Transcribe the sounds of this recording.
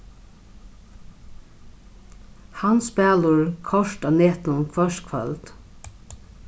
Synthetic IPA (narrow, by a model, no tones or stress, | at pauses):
hɑnsbæːləɹkʰɔʃtɑːneːt̪nʊnkʰʋœʃkʰʋɛ̰ld̪̥